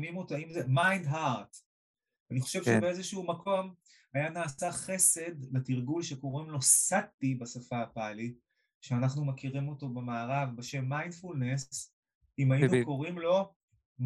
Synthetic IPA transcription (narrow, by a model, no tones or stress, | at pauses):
mimot̪aimzemajndɦaʁt̪ | aniχo̞ʃevʃebeezeʃuumakʰo̞m | ajanaːsaχe̞se̞d̪letiʁɡulʃeko̞ʁimlo̞sat̪ibasafaːpali | ʃeanaχnumekiʁimo̞to̞bemaːʁavbeʃe̞mːajndfulnes | imajinukko̞ʁimlo̞ | m